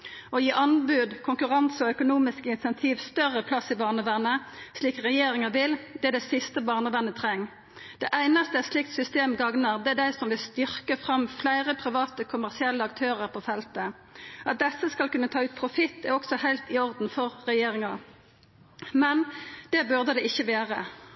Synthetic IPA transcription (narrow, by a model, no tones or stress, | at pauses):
ɔjiːʔɑnbʉːd̪kʰʊŋkʉʁɑnsɔœkʊnuːmɪskəɪnsɛnt̪ʰiːʋst̪œʁəpʰlɑsːɪbɑːʁnəʋænəsliːkʁɛjeːʁɪŋəʋɪld̪̥ɛæd̪ɛɪsɪst̪əbɑːʁnəʋænːət̪ʰʁɛŋː | d̪̥ɛʔæɪnɑst̪əɛslɪkt̪sʏst̪eːmɡɑŋnəʁd̪ɛæd̪æɪsɔmʋɪlst̪ʏʁkəfʁɑmflæɪʁəpʰʁɪʋɑːt̪əkʰʊmæʁsɪɛlːəɑkt̪ʰøːʁəʁpʰoːfɛlt̪ə | ɑt̪̚d̪ɛsːəskɑlkʉnːət̪ʰɑːʉːt̪̚pʰʁʊfɪt̪ːɛʁɔksɔhæɪlt̪ɪɔʁd̪n̩fɔʁːɛjeːʁɪŋɑ | mɛnd̪̥ɛbʉʁd̪əd̪ɛɪçːəʋeːʁə